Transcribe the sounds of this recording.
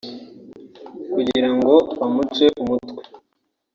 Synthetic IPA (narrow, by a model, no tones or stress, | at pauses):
kuɟiiɾaŋɡo̞βamut͡ʃweʔumutwe